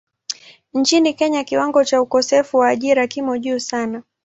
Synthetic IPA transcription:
ɲ̩t͡ʃinikɛɲakiwaŋɡɔt͡ʃaukɔsɛfuwaːʄiɾakimɔʄuːsana

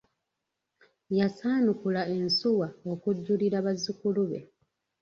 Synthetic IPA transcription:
jasaːnukulae̞nsuwao̞kuɟːuliɾaβazikuluβe̞̰

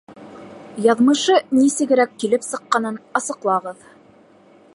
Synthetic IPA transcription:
jɑðmɤ̆ʃɤnisɘ̆ɡɘ̆ɾækːilɘpsɤ̆qːɑnɤnɑsɤ̆qlˠɑʁɤð

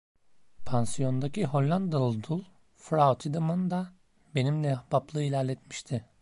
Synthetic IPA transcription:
pʰansijo̞nd̪acʰiɦo̞lʲːand̪alˠd̪ulˠ | fɾaut̪ʰid̪amɯnd̪a | be̞nimlʲɛb̥aplˠɯːilʲæɾlʲɛt̪mi̥ʃt̪ʰɪ

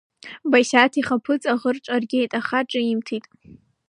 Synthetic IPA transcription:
bajsatʰiχapʰɨt͡sʼaʁərʈ͡ʂʼarɡʲejtʼaχaʈ͡ʂʼaimtʰitʼ

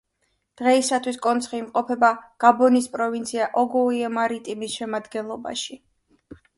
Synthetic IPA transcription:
d̪̥ʁɛisat̪ʰwiskʼɔnt̪sʰχiːmqʼɔpʰɛbaɡ̥abɔnispʼɾɔvint̪sʰiaʔɔɡɔiɛmaɾit̪ʼimisʃɛmad̪ɡɛnlˠɔba̰ʃi

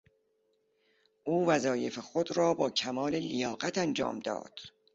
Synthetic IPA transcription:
ʔuːvæzɒːje̞fexod̪ɾɒːbɒːcʰæmɒːle̞lijɒːɢæt̪ænd͡ʒɒ̰ːmd̪ɒ̰ːd̪̥

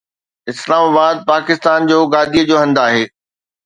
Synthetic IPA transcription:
ɪslaːmaːbaːd̪̚paːkɪst̪aːnd͡ʑoːɡaːd̪ʱijəd͡ʑoːɦɐ̃nd̪aːɦeː

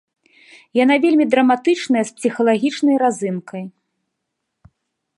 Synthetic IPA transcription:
janavʲelʲmʲid̪ɾɐmat̪ɨt͡ʂnɐjɐspsʲixɐlˠaɣʲit͡ʂnɐjɾazɨnkʰɐj

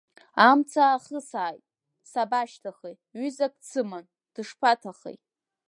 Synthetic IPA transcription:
amt͡sʰaːχəsaːjtʼ | sabaʃtʰaχej | ɥyzak̚ʼt͡sʰɨman | d̥ɨʂpʰatʰaχḛjtʼ

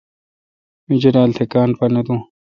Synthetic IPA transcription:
mid͡ʑɐɾaːlt̪ʰekaːnpɐnɐd̪ũː

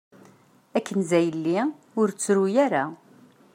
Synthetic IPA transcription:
ækːənzæjəlːi | ʊɾt͡sːɾujæɾa

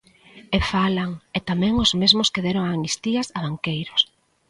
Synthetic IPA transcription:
efalaŋet̪amɛ̃ŋʊzmezmʊskeðeɾoŋanist̪iɐsaβaŋkejɾʊs

